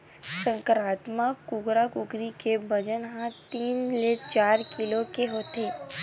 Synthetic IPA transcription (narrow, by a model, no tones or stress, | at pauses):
sə̃ŋkəɾaːt̪makʊɡɾakʊɡɾikebəd͡ʒənɦãt̪iːnlet͡ʃaːɾkɪlokeɦoːt̪eː